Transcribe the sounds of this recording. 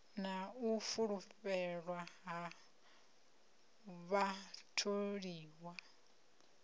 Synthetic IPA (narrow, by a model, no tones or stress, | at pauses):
naufuɺuɸɛɺwaɦa | βatʰoɺiːwa